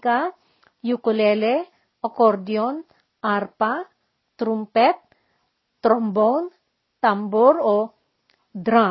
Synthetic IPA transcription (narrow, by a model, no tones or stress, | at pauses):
ka | jukulele | ɔkɔɾd̪iɔn | arpa | t̪ɾumpɛt̪̚ː | ɾɔmbɔwn | t̪ambɔɾɔ | d̪ɾa